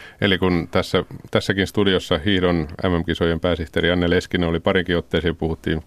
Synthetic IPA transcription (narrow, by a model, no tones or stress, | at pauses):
elikunt̪æsːæt̪æsːækinst̪udiosːɑhihdonæ̰mːæmkisojempæːsiht̪eɾiɑnːeleskineolipɑɾiŋkiot̪ːeːseːmpuhut̪ːḭːn